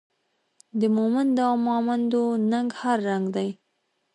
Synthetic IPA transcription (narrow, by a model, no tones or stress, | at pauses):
d̪əmomand̪amʊamand̪onaŋɡhaɾːaŋɡd̪aj